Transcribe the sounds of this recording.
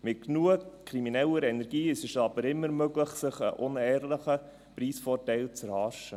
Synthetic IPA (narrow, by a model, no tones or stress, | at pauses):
mɪt̚knuəkʰɾiminɛləɾɛnɛɾɡ̥iːɪsəʃɑbəɾɪmːəɾmøɡləχsɪχə̰ʔʊnɛːɾləχə | priːsfɔːɾtɛɪlt͡sɛɾhɑːʃə